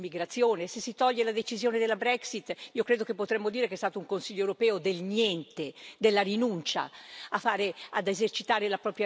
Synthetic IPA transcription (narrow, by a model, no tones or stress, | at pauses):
miɡɾat̪sːjoːnesesːit̪ɔʎːelad̪et͡ʃizjoːned̪elːabɾɛksit̪ːiːokɾeːd̪okepːot̪ɾɛmːod̪iːɾekeɛst̪aːt̪ouŋkonsiʎːoewɾopɛːod̪elɲjɛnt̪ed̪elːarinunt͡ʃa̰afːaːɾead̪ezert͡ʃit̪aːɾelapɾɔːpɾja